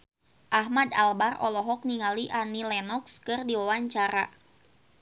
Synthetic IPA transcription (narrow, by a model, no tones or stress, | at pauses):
ʔaɦmadalbarɔ̰lɔɦɔk̚niŋaliʔanilɛnɔkskɨrdiwawaɲt͡ʃaɾa̰